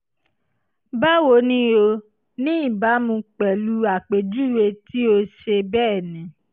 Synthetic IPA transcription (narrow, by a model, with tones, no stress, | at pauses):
ba˦wo˧˦nĩ˦o˧ | nĩ˦i˦˨ba˨˦mũ˧k͡pɛ˨lu˦a˨k͡pe˨d͡ʒu˦˨we˧ti˦o˧ʃe˧bɛː˦˨nĩ˨˦